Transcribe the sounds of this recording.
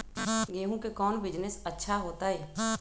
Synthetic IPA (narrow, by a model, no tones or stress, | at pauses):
ɡeːɦũkekɔːnbɪd͡ʒnɪsɐtːʃʰaɦoːt̪aɦɛː